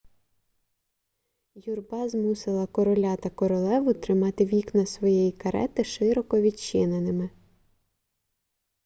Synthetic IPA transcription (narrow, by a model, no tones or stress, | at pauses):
jurbɑzmusɪlˠɐkɔɾɔlʲat̪ɐkɔɾɔlˠɛʋʊt̪ɾɪmɑt̪ɪʋʲiknɐsʋɔjɛjikɐɾɛ̰t̪ɪʃɪɾɔkɔʋʲid̪t͡ʃɪnenɪmɪ